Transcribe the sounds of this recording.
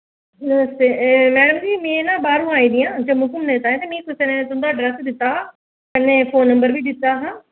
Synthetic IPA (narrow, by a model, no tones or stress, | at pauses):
nəməst̪eːmɛːɽəmd͡ʒiːmẽːenãːbaːɾũːaːĩːd̪ɪjãːd͡ʒəmʊsəmnẽːt̪aːẽt̪eːmĩːkʊsenẽːt̪õnd̪aːɖɾɛsd̪ɪt̪ːaː | kɛnːẽːpʰoːnːəmbəɾʋiːd̪ɪt̪ːaːɦãː